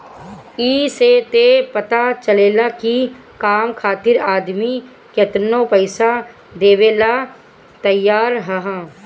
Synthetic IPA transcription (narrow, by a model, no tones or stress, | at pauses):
iːset̪epɐt̪at͡ʃəleːlaki | kaːmkʰaːt̪ɪɾaːd̪mi | ket̪nõpəɪsa | d̪eːʋeːla | t̪əjːaːɾɦɐɦã